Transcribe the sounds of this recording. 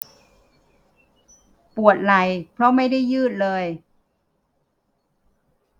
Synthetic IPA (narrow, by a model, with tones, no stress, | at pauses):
pu˨˩ət̪̚la˨˩jpʰɾɔ˦˥ma˥˩jda˥˩jːɯː˥˩t̪̚lɤː˧j